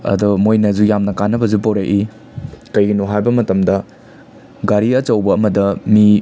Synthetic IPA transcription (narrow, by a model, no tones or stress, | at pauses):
ɐ̰dumojnɐzujamnɐkanːɐbɐzupowɾajʔi | kɐjɡinuɦajbɐmɐtɐmdɐ | ɡaɾiɐt͡ʃɐwbɐɐmɐdɐmi